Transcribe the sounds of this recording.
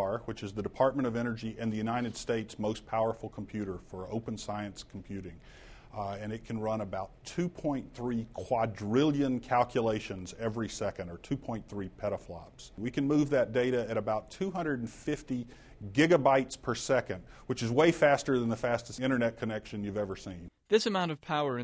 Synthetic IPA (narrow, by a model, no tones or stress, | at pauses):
ɹwɨt͡ʃɨzðɨdɨpʰɑɹt̚mɨ̃ɾ̃ʌvɛnə˞d͡ʒiʔɨ̃nðɨjʉnaɪɾɨd̥steɪtsmoʊspʰaʊə˞fl̩ˠkʰm̩pʰj̥ʉɾə˞fə˞oʊpn̩saɪɨ̃nskʰm̩pʰj̥ʉɾɪ̃ŋ | ɨ̃nɨt̚kʰn̩ɹʌ̃nəbaʊtʰʉpʰɔ̃ɪ̃nθɹikʰw̥ɑdɹɪlˠjɨ̃nkʰælˠkʰjɨleɪʃɨ̃nzɛvɹisɛkɨ̃ndə˞tʰʉpʰɔ̃ɪ̃nθɹipʰɛɾəflɑ̰pswikɨ̃nmuvðɨt̚d̥eɪɾɨɨɾɨbaʊtʰʉɦʌ̃ndɹəɾn̩fɪfti | ɡɪɡɨbaɪtspʰə˞sɛkɨ̃nd̚wɨt͡ʃɨzweɪfæstə˞ðɨ̃nðəfæstɨsɪ̃ɾ̃ə˞nɛt̚kʰɨnɛkʃɨ̃njʉvɛvə˞sĩnðɪsɨmãʊ̃ñtʌv̥pʰaʊə̃˞